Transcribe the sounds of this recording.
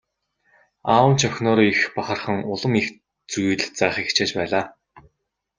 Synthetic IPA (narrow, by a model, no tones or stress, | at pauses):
aːwə̆n̥t͡ɕʰœxʲnɔːɾixpaχə̆rχə̆ŋʊɮə̆mix | t͡sujɮt͡saːχixt͡ɕʰeːt͡ɕpæːɮaː